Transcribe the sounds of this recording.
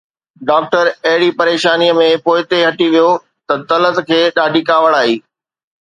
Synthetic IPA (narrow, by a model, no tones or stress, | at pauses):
ɖaːk̚ʈəɾɐɦɪɽipɐɾeːʃaːnijəmẽpoːɪt̪eɦɐʈiʋijo | t̪ɐt̪ɐlət̪kʰeːɗaːɖʱikaːʋəɽaːɦiː